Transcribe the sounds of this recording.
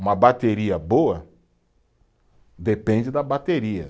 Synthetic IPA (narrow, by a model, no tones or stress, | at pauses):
umɐbat̪eɾiɐboɐ | d̪epẽɲd͡ʒɪd̪abat̪eɾiɐ̰